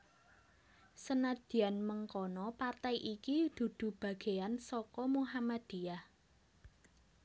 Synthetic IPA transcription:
sənad̪̥i̤anməŋkɔnɔpart̪ajʔikid̪̥ṳd̪̥ṳb̥ä̤ɡ̥e̤ansɔkɔmuɦamad̪̥i̤jah

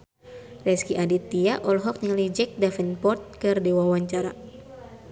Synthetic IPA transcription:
rɛskiʔadit̪iaʔɔlɦɔk̚naŋalid͡ʒɛk̚dafɛnpɔrt̪̚kɨrdewawaɲt͡ʃaɾa̰

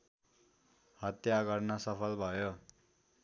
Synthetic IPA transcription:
hʌt̪jaɡʌrnʌsʌpʰʌlbʱʌjo

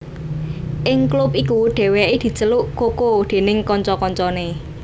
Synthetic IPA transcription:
ʔɪŋklup̚ikuɖ̪̥e̤weʔid̪̥i̤t͡ʃəluʔkokod̪̥e̤nɪŋkɔɲt͡ʃɔkɔɲt͡ʃɔne

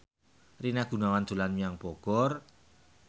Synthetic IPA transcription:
rinaɡ̥ṳnawand̪̥ṳlanmiaŋpɔɡ̥ɔr

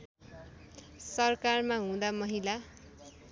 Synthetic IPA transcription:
sʌrkarmaɦũd̪amʌɦila

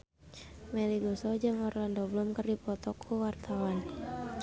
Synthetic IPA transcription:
mɛliɡɔsɔd͡ʒaŋɔrlandɔblumkərdipɔt̪ɔkʰːuwart̪ʰawan

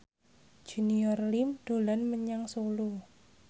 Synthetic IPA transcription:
d͡ʒ̥ṳniɔrlimd̪̥o̤lanməɲaŋsolu

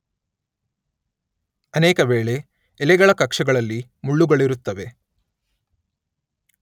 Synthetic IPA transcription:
ɐneːkɐʋeːɭe̞ː | lɛɡɐɭɐkɐkʂɐɡɐɭɐlːimuɭːuɡɐɭiɾut̪ːɐʋe̞

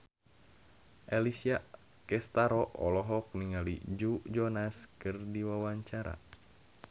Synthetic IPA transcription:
ʔɛlisia | kɛst̪aɾɔʔɔlɔɦɔk̚niŋalid͡ʒud͡ʒɔnaskɨrdiwawaɲt͡ʃaɾa̰

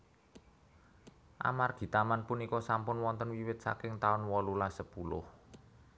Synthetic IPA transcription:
ʔa̰marɡ̥i̤t̪amanpunikɔsampʊnwɔnt̪ənwiwɪt̪̚sa̰kɪŋt̪aʊnwɔlulasəpulʊ̰h

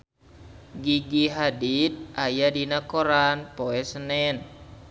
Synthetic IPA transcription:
ɡiɡiɦadit̪̚ʔajadinakoɾanpoɛsənɛn

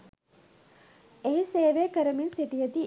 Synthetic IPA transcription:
eɦiseːʋekəɾəminsiʈijət̪i

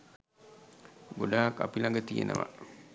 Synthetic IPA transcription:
ɡodaːkapilaŋɡət̪ijḛnə̰ʋa̰

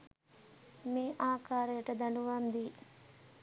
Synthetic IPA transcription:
meːʔaːkaːɾɐjɐʈɐd̪ɐɳɖuʋɐɐmd̪iː

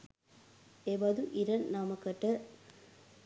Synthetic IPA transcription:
ebɐd̪uʔiɾɐnːɐmɐkɐʈːɐ

